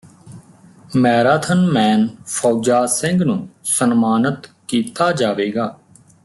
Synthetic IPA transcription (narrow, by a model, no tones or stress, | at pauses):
mɛːɾaːt̪ʰənmɛ̃ːnfʰɔːd͡ʒaːsɪ̃ŋɡnũːsənmaːnət̪kiːt̪aːd͡ʒaːʋeːɡaː